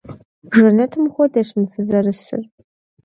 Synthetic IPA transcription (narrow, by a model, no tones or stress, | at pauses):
ʒɨnɐtʰɨmxʷɔdɐɕmɨfɨzɐrɨsɨ̰r